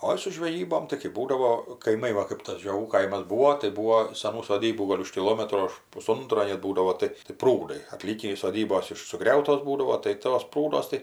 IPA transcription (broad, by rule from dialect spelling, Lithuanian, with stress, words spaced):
ˈoːɪ sʊ ʒʲʋʲɛˈjiːboːm tɐɪ kɜp ˈbuːdɐʋoː kɐɪˈmɐɪ ˈʋɐ kɜp tɐs ʒʲoːˈɡuː ˈkɐɪmɐs ˈbuːʋoː tɐɪ ˈbuːʋoː sɐˈnuː soːˈdʲiːbuː ˈɡoːlʲ ʊʃ kʲɪˈlˠoːmʲɛtroː ʊʃ pʊˈsʊntroː nʲɛt ˈbuːdɐʋoː ˈtɐɪ tɐɪ ˈpruːdɐɪ ɐˈtʲlʲiːkʲiː ɪʃ soːˈdʲiːboːs ˈɪʃ sʊˈɡrʲɛʊtoːs ˈbuːdɐʋoː tɐɪ ˈtoːs ˈpruːduɔs tɐɪ